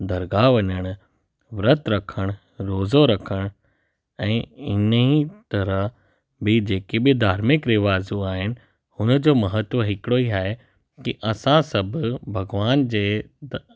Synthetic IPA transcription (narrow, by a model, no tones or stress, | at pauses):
d̪ɐɾɡaːʋɐɲəɽ̃ʊ | ʋɾət̪ɾɐkʰəɽ̃ʊ | ɾoːzoɾɐkʰəɽ̃ | ɛ̃ːɪnəit̪ɐɾəɦ | bɪd͡ʑeːkebɪd̪ʱaːɾmɪkɾɪʋaːzuaːɦɪnɪ̆ | hʊnəd͡ʑoːmɐɦət̪wəɦɪkɪɽoiaːɦe | kiʔɐsãsɐbʱʊbʱɐɡʋaːnd͡ʑeː